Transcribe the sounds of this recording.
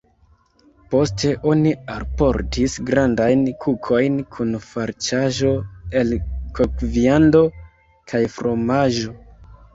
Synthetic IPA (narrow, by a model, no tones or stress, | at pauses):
po̞stʰe̞ʔo̞nialpo̞ɾtʰisɡɾandajnkʰukʰo̞jnkʰunfaɾt͡ʃaʒo̞e̞lkokviando̞ | kʰajfɾo̞maʒo̞